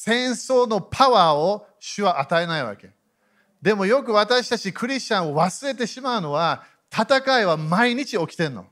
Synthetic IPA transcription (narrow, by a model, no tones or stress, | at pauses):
sẽ̞ɰ̃so̞ːno̞pʰaβaːoɕɨβaʔat̪aenaiβa̰ke̞̰ | d̪e̞mo̞jo̞kɯ̟βat̪aɕi̥t̪at͡ɕikɯ̟ɾʲiɕt͡ɕãɰ̃o̞βasɨɾe̞t̪e̞ɕimaɯ̟no̞βa | t̪ʰat̪akaiβamaiɲ̟it͡ɕio̞kʲi̥t̪ẽ̞nːo̰